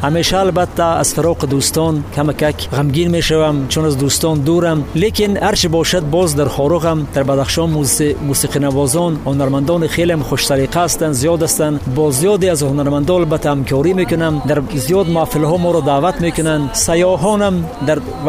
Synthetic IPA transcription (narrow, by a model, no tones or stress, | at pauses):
hameʃaːlbat̪ʰːaa̰z̥fɪɾɔːqid̪ust̪ɔnkʰamakakʰʁamɡʲinmeʃavamt͡ʃʰunazd̪ust̪ɔnd̪uɾamlekinhaɾt͡ʃʰibɔʃad̪̚bɔzd̪aɾχɔɾuʁamd̪̥aɾbad̪aχʃɔnmusiqʰinavɔːzɔnhʊnaɾmand̪ɔniχeleamχoʃsaɾiqʰaːst̪anzijɔd̪ast̪anbɔzijɔd̪eazhʊnaɾmand̪ɔalbat̪ʰːahamkʰɔːɾimekʊnamd̪aɾzijɔd̪mʊafilɦɔmɔɾɔd̪aːvat̪mekʊnand̪sajɔɦɔnamd̪aɾ